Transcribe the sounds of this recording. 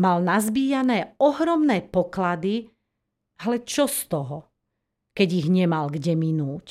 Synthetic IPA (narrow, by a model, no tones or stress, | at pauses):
malnazbiːjanɛːɔɦɾɔmnɛːpɔklad̪i | ɦlɛt͡ʃɔst̪ɔɦɔ | kɛɟiɣɲɛmalɡɟɛminuːc